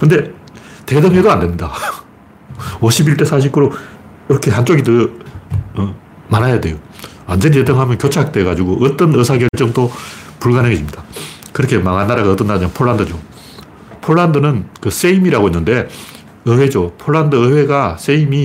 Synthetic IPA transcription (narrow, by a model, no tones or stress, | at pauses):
kɯnde̞te̞dʌŋɦedoandemɲida | oɕʰibiɭt͈e̞sʰaɕ̬ʰik͈ɯɾo | iɾʌkʰe̞ɦant͡ɕ͈oɡidɯ | manajade̞jo | and͡ʑenitedɯŋɦamjʌnkjot͡ɕʰak̚t͈eɡad͡ʑuɡoʔʌt͈ʌnɯsʰakjʌɭt͡ɕ͈ʌŋdopuɭɡaneŋeɕʰimɲidakɯɾʌkʰe̞maŋanːaɾaɣaʌt͈ɯnːad͡ʑanpʰoɭːandɯd͡ʑo | pʰoɭːandɯnɯnkɯs͈eimiɾaɣoinːɯnde̞ | ɯwe̞d͡ʑopʰoɭːandɯɯwe̞ɡas͈eimi